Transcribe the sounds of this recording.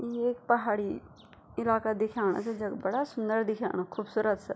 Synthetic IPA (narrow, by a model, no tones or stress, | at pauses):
jieːkpɐɦaːɽi | ɪlaːkad̪ɪkʰaːɽ̃a̰sed͡ʒɐɡbɐɽasʊ̃nd̪əɾd̪ɪkʰa̰ːɽ̃akʰuːbsuːɾət̪sɛ